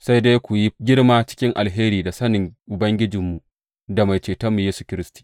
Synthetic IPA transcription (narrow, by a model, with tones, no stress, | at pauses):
sa˦jdeː˦jkʷu˨ji˦ɡʲɪ˦ɽmaː˦t͡ʃɪ̥˦kʲɪ˦ŋʔa̰˨lɦeː˦ɾiː˨da˨sɐ˦nɪ˨ŋʔʊ˨bɐ˦ŋɡʲɪ˦d͡ʒɪ˨mːu˨ʔ | da˨ma˨jt͡ʃeː˨tɐ˦mːu˨jeː˦su̥˨kʲɪ˦ɾɪ˦sti̥˨